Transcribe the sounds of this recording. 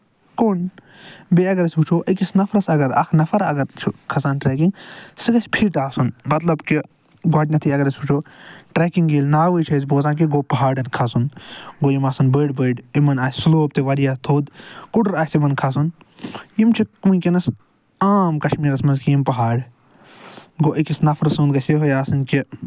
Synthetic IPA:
kon | beɐɡɐɾɐsʲbut͡ʃʰoːʔɐkisnɐfʰɾɐsɐɡɐɾɐ̰kʰnɐfʰɐɾɐ̰ɡɐɾt͡ʃʰukʰɐsaːnʈɾeːk̬iŋɡsɨɡɐsʲpʰiɾʈaːsunmɐt̪lɐbki | ɡaːʈʲnɐt̪ʰiɐɡɐɾɐsʲbut͡ʃʰoːʈɾeːkiŋɡiːlnaːʋəːjt͡ʃʰɐsʲboːzaːk̬iɡoːpɐɦaːɖɐnkʰasunɡoːjimaːsɨnbəːɖbəːɖimɐnaːsʲsloːp̚t̪eʋɐɾijaːt̪ʰoːd̪kuɖɾaːsimɐnkʰas̬un | jimt͡ʃʰikũĩkinɐs | aːmkɐʃmiːɾɐsmɐnzkijimpɐɦaːɖ | ɡoːʔikisnɐfʰɐɾsuːnd̪ɡɐsʲeɦojaːsɨnki

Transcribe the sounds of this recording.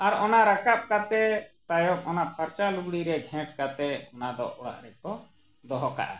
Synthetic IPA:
aɾɔnaɾakap̚kat̪ɛt̪ajɔk̚ɔnaʔpaɾt͡ʃaluɡɽiɾɛɡʱɛ̃ʈkat̪ɛɔnad̪ɔ̰ɔɽa̰ʔɾɛkɔ | d̪ɔɦɔka̰ʔa̰

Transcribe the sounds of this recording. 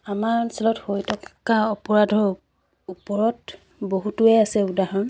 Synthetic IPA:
amaɹsɛlɔthojtʰɔkkaɔpɔɹadʱɔ | upɔɹɔt | boɦutuɛasɛudʱaɦɔɹ

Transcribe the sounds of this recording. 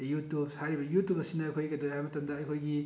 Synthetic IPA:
jut̪ubsaɾibɐjut̪ub̚ɐsinɐːjkʰojkɐd̪oɦamɐt̪ʌmd̪aːjkʰojɡi

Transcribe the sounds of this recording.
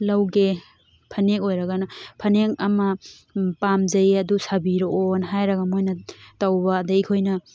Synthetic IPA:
lawɡe | pʰɐnekojɾɐɡanɐpʰɐneŋɐmɐ | pamzɐjɐdusabiɾoonɦajɾɐɡamojnɐtawbɐdaikʰojnɐ

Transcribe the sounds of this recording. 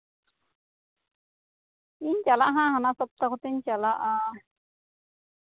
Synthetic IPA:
int͡ʃalaʔɦãhanasɔp̚t̪akot̪ent͡ʃalaʔa

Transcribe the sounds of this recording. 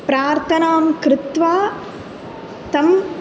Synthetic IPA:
pɾaːɾt̪ʰɐnaːmkɾɪt̪ʋaː | t̪ɐm

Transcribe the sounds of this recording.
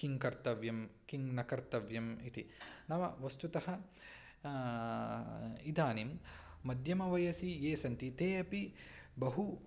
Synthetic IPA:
kiŋkɐɾt̪ɐʋjɐmkiŋnɐkɐɾt̪ɐʋjɐmit̪inɐʋɐʋɐst̪ut̪ɐɦɐ | id̪ʱaːnim | mɐd̪ʱjɐmɐʋɐjɐsijeːsɐnt̪it̪eːɐpi | bɐɦu

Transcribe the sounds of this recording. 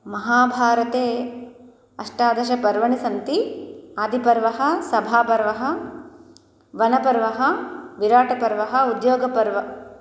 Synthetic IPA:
mɐɦaːbʱaːɾɐt̪eː | ɐʂʈaːd̪ɐʃɐpɐɾʋɐɳisɐnt̪iaːd̪ʱipɐɾʋɐɦɐ̆sɐbʱaːpɐɾʋɐɦɐ | ʋɐnɐpɐɾʋɐɦɐʋiɾaːʈɐpɐɾʋɐɦɐ̆ud̪joːɡɐpɐɾʋɐ

